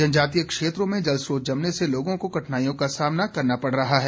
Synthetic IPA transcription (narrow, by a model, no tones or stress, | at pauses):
d͡ʒɐnd͡ʒaːt̪̬ijəkʃeːt̪ɾõmẽd͡ʒɐlsoːd͡ʒɐmneseloːɡõkokɐʈʰnaːjõkasaːmnakɐɾnapɐɽ̤ɾɐɦaɦɛː